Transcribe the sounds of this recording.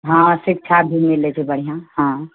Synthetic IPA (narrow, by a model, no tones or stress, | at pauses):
ɦãsik̚t͡ʃʰabʱimilet͡ʃʰebəɽ̤ijãɦã